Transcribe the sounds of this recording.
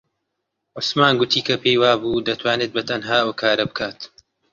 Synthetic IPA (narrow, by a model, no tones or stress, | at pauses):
ʔʊsmaːnɡʊt̪ʰiːkʰɐpʰejwaːbuːd̪ɐt̪ʰwaːneːt̪̚bɐt̪ʰɐnɦaːwɐkʰaːɾɐbɨkʰaːt̪